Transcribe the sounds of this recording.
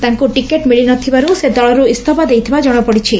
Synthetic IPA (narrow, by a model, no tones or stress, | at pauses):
t̪aŋkuʈikeʈmiɭinɔt̪ʰibaɾused̪ɔɭɔɾuist̪ʰɔpad̪ejt̪ʰibad͡ʒɔɽ̃ɔpɔɽit͡ʃʰi